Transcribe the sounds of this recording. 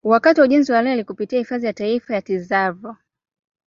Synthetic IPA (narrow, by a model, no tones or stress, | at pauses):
wakatiwauʄɛnziwalɛlikupitiahifaðijataifajatizavɔ